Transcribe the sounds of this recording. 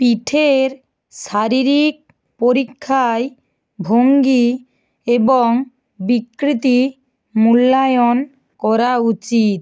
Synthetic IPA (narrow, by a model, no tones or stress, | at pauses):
piʈʰeɾ | ʃaɾiɾik̚ | poɾikʰːae | bʱoŋɡi | eboŋ | bikɾit̪i | mulːajon | kɔɾaut͡ɕit̪̚